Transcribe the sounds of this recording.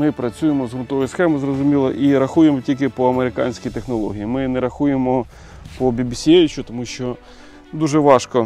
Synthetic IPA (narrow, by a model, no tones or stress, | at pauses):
mɪpɾɐt͡sʲujemɔzɦʊnt̪ɔʋɔjsxɛmɪzrɔzʊmʲilˠɐ̰ʔiɾɐxujemɔtʲilʲk̬ɪpɔɐmeɾɪkɑ̰nʲsʲkʲijt̪exnɔlˠɔ̰ɦʲijimɪnɛɾɐxujemɔ | pɔbʲibʲisʲijeʋʲɪt͡ʃʊt̪ɔmuʃt͡ʃɔ | d̪uʒɛʋɑʃkɔ